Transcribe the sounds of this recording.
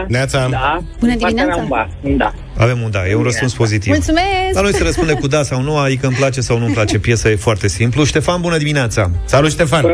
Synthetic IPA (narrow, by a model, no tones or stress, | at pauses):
inat̪saabunəd̪imineat̪aa | d̪a̰ | a̰ve̞mund̪ajeunɾəspunspo̞zit̪ivmult̪sumesanojsəɾəspund̪emkud̪asawnuaikəɨmplat͡ʃe̞sawnumplat͡ʃe̞pje̞sajefoart̪e̞simpluʃt̪e̞fanbunəd̪imineat̪sasalut̪ʃt̪e̞fan